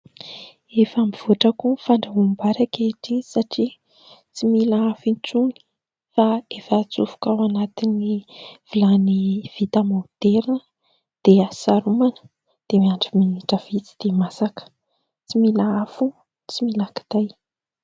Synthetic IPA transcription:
efamiv̥oʈ͡ʂakufaɳɖ͡ʐaɦumbaɾakeʈ͡ʂinisaʈ͡ʂi | t͡similaafint͡suni̥ | faefaːt͡sufu̥kawanat̪iniv̥ilaniv̥it̪amod̪eɾinə | d̪̥easaɾumanə̥ | d̪̥emiaɳɖ͡ʐiminiʈ͡ʂəv̥it͡si̥d̪̥emasakə̥ | t͡similaafu | t͡similaki̥d̪̥aj

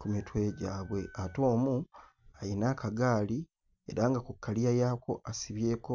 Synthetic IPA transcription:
kumitwe̞ːɟaːβwe̞ʔato̞ːmu | ajinakaɡaːli | e̞̰ɾaːŋɡakukːaliajaːko̞̰ʔasiβje̞ːko̞

